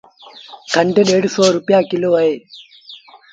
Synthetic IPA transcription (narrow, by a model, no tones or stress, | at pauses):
kʰɐɳʈeɖeɽsoːɾupjaːkiloːɐe